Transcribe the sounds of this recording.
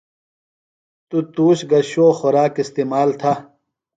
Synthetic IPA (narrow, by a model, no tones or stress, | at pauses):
t̪ut̪uːɕɡɐɕoːxʊɾaːkist̪eːmaːlt̪ʰa